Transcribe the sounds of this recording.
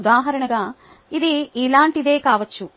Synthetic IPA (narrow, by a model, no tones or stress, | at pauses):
d̪aːɦɐɾɐɳɐɡaː | id̪iilaːɳʈid̪e̞ːkaːʋɐt͡ʃːu